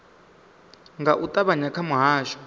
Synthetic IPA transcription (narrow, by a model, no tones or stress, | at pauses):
ŋɡaʔutʼaβaɲakʰamuɦaːʃɔ̥